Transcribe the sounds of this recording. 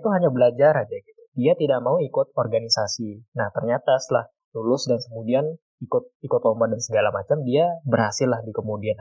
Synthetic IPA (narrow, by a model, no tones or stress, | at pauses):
t̪uɦaɲabəlad͡ʒaɾad͡ʒaɡit̪udiat̪idak̚mauikʊt̪̚orɡanisasinaht̪ərɲat̪asəlah | lulʊsdankəmudian | ikʊt̪̚ikʊt̪̚lombat̪dansəɡalamat͡ʃamdiabərhasɪlːahdikəmudian